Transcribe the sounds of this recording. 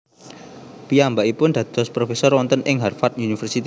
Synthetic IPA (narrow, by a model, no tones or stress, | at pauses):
piambaʔipʊnd̪̥ä̤t̪ɔspɾofesɔrwɔnt̪ənʔɪŋɦarfat̪̚unifərsit̪